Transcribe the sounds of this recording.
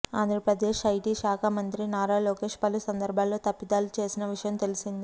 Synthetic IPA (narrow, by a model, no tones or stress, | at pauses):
aːnd̪ɾɐpɾɐd̪e̞ːʃɐjʈiʃaːkʰamɐnt̪ɾinaːɾaːloːke̞ːʂpɐlusɐnd̪ɐɾbʱaːlːoːt̪ɐpːid̪aːlut͡ʃe̞ːsinɐʋiʂɐjɐmt̪e̞lisind̪i